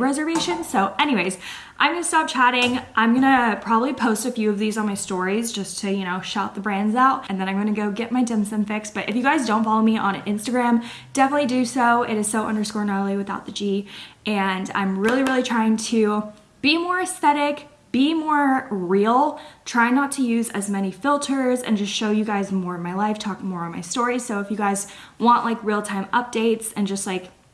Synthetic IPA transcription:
ɹɛzə˞veɪʃɨ̃nsoʊʔɛñiweɪz | ʔã̰ɪ̃mɡʌnɨstɑp̚t͡ʃʰæɾɪ̃ŋʔãɪ̃mɡʌnɨpʰɹ̥ɑbəblipʰoʊstɨfjʉʌvðizn̩maɪstɔɹizd͡ʒʌstʰɨjɨñoʊʃaʊt̪̚ðəbɹæ̃ndzaʊt̚ʔɨ̃n̩ðɨ̃nãɪ̃mɡʌnɨɡoʊɡɛʔ̚maɪdɪ̃msɨ̃nfɪksb̥ʌɾʔɨ̰fjɨɡaɪzdõʊ̃ntfɑlˠoʊmiʔə̰̃nɪ̃nstɨɡɹæ̃m | d̥ɛfənətˡlidɨsoʊɪɾɨz̥soʊʔʌ̰̃ndə˞skɔɹnaɪl̩ˠiwɨθaʊt̪̚ðɨd͡ʒiʔɨ̃nã̰ɪ̃mɹɪlˠiɹɪlˠitʰɹ̥aɪɪ̃ŋtʰɨ | b̥imɔɹɨsθɛɾɪk | b̥imɔɹɹilˠtʰɹ̥aɪnətʰɨjʉzɨ̰zmɛñifɪlˠtʰə˞zɨ̰̃nd͡ʒʌstʃoʊjɨɡaɪzmɔɹʌvmaɪlaɪftʰɔk̚mɔɹʌ̃nmaɪstɔɹisoʊɨfjɨɡaɪz | wɑ̃nʔlaɪkɹilˠtʰãɪ̃mʌp̚d̥eɪtsɨ̃nd͡ʒʌst̚ˡlaɪk

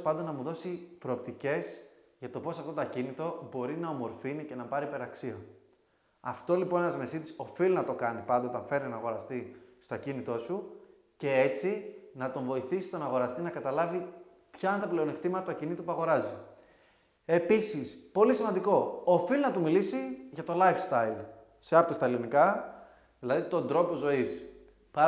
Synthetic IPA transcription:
pɐnd̪onɐmuðo̞sipɾo̞ːp̚t̪ice̞z | ʝɐt̪o̞po̞sɐft̪o̞t̪ɐcinit̪o̞bo̞ɾinɐo̞mo̞ɾfinice̞nɐpɐɾipe̞ɾɐksio | ɐft̪o̞lipo̞nenɐzme̞sit̪i̥so̞filinɐt̪o̞kɐnipɐnd̪oot̪ɐɱfe̞ɾninɐːɣo̞ɾɐst̪ist̪oɐcinit̪o̞su | ce̞e̞t͡sinɐt̪o̞ɱvo̞iθisi̥st̪o̞nɐɣo̞ɾɐst̪inɐkɐt̪ɐlɐvi | pçɐɐnt̪ɐple̞onekt̪imɐt̪ɐt̪uɐcinit̪upuɐɣo̞ɾɐzi | e̞pisispo̞lisimɐnd̪iko̞ːfilnɐt̪umilisiʝɐt̪o̞lɐjfst̪ɐil | seɐpt̪ost̪ɐelinikɐ | ðilɐðit̪o̞nd̪ɾo̞po̞zo̞is | pɐ

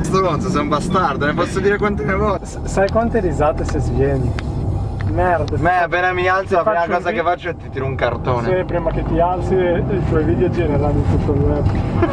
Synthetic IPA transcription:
st̪ɾont̪sos̬eumbast̪ard̪onepɔsːod̪iːɾekwant̪omevɔssajkwant̪eɾizaːt̪esezvjɛːni | mɛrd̪amɛpeːnamialt̪solafaakɔːzakefat͡ʃːoet̪ːit̪iːɾouŋkart̪oːnepɾiːmaket̪ːialt̪siilt̪ɔjviːd̪jod͡ʒeneɾaninsut̪ːolɛpː

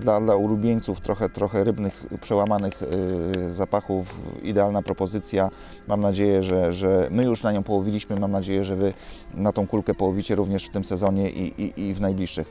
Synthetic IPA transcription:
d̪lad̪laulubʲjeɲt̪suft̪ɾɔxɛt̪ɾɔxɛɾɘbnɘxpʂɛwamanɘx | zapaxufḭd̪ɛalnapɾɔpɔzɘt̪sʲja | mamnad͡ʑejɛʐɛʐɛmɘjuʂnaɲɔ̃w̃pɔwɔvʲilʲiɕmɘmamnad͡ʑejɛʐɛvɘnat̪ɔ̃w̃kulkɛpɔwɔvʲit͡ɕɛɾuvɲɛʂft̪ɘmsɛzɔɲɛʔḭʔiivnajblʲiʂːɘx

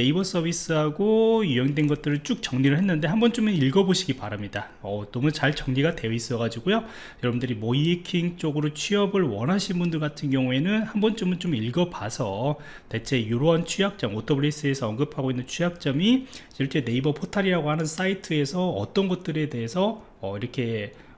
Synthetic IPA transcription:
ne̞ibʌs͈ʌbʱis͈ɯɦaɡojuʌŋdwe̞nɡʌt̚t͈ɯɾɯnt͡ɕ͈uk̚t͡ɕʌŋɲiɾɯɭhɦe̞nːɯnde̞ɦanbʌnt͡ɕ͈omɯniɭɡʌboɕʰiɡipaɾamɲida | ʌnʌmut͡ɕaɭt͡ɕʌŋɲiɡade̞ʌis͈ʌɡad͡ʑiɡojo | jʌɾʌbundɯɾimʌiekʰiŋt͡ɕ͈oɡɯɾot͡ɕʰɥiʌbɯɭwʌnɦaɕʰinbundɯɭɡatʰɯnɡjʌŋue̞nɯnhambʌnt͡ɕ͈omɯnt͡ɕ͈omiɭɡʌbasʰʌ | te̞t͡ɕʰe̞joɾoɦant͡ɕʰujak̚t͡ɕ͈ʌmotʰʌbuɾes͈ɯe̞sʰʌʌnɡɯpʰaɡoinːɯnt͡ɕʰujak̚t͡ɕ͈ʌmi | iʌt͡ɕʰe̞ne̞ibʌpʰotʰaɾiɾaɡohanɯns͈aitʰɯe̞sʰʌʌ̰t͈ʌnɡʌt̚t͈ɯɾe̞de̞ɦesʰʌː | iɾʌkʰe̞

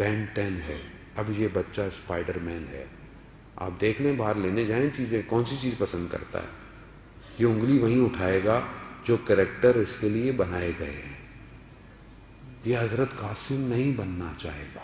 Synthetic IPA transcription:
pɛ̃ːɳʈɛːnɦɛː | ɐbjebɐtːʃaspaːɪɖəɾmɛːnɦɛ̰ː | a̰ːp̚d̪eːkʰlẽẽbʱaːɾleːned͡ʒaːeẽt͡ʃiːzẽkɔːnsit͡ʃiːzpɐsə̃nd̪kɐ̰ɾt̪a̰ɦɛ̰ː | jeʊ̃ŋɡliʋɐɦĩʊʈʰaːeːɡad͡ʒoːkɛɾek̚ʈəɾʊskeliebɐnaːeɡɐḛɦɛ̃ː | jeɦɐzɾət̪kaːsɪmnɐɦĩbɐnːat͡ʃa̰ːɦeːɡaː

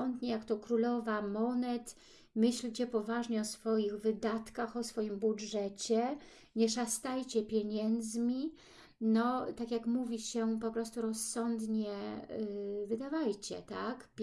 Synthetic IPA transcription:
ɔnd̪ɲɛjakt̪ɔkɾulɔvamɔnɛt̪ | mɘɕlt͡ɕɛpɔvaʐɲɛɔsfɔjiɣvɘd̪at̪kaxɔsfɔjimbudʐɛt͡ɕɛ | ɲɛʂast̪ajt͡ɕɛpʲjeɲɛnd̪zmʲi | nɔt̪akʲjakmuvʲiɕɛpɔpɾɔst̪uɾɔsːɔnd̪ɲɛ | vɘd̪avajt͡ɕɛ̰t̪akpʲ

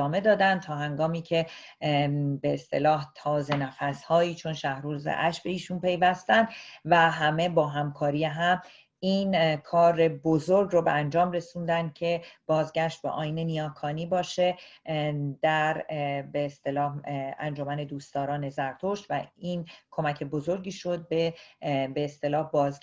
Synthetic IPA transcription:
ɒːme̞d̪ɒːd̪ænd̪t̪ʰɒːɦæŋɡɒːmiːcʰe̞ | beːst̪e̞̰lɒːht̪ʰɒːze̞næfæshɒːiːt͡ʃʰo̞nʃæhɾuːzḛʔæʃbe̞iːʃuːnpʰe̞jvæst̪ænd̪væɦæme̞bɒːɦæmkʰɒːɾijeɦæm | inkʰɒːɾe̞bozoɾɡrobeænd͡ʒɒːmre̞sund̪ænd̪̥̚cʰe̞b̥ɒːzɡæʃt̪̚bḛʔɒ̰ːjinenijɒːkʰɒːniːbɒːʃe | d̪̥æɾbeːst̪e̞lɒːhæ̰nd͡ʒo̞mæne̞d̪uːst̪ɒːɾɒːne̞zæɾt̪ʰoʃt̪væinkʰo̞mæcʰe̞bozo̞ɾɟiːʃo̞d̪̚bebe̞ːst̪e̞lɒːhbɒːzɡ

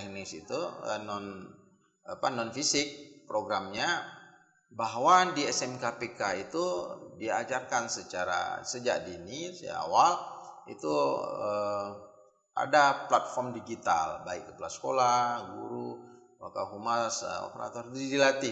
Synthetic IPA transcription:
hnisit̪uə̰nɔn | panɔnfisɪk̚pɾoɡɾamɲa | baɦwadiɛsɛmkapekait̪udiad͡ʒarkansət͡ʃaɾa̰səd͡ʒa̰ʔdinisa̰walḭt̪uə | ʔa̰daplat̪̚fɔrmdiɡit̪a̰lbaikːəpulasə̥kolaɡṵɾu | wakaɦumasə̰o̰pəɾa̰t̪ɔrd̪idilat̪ɪ

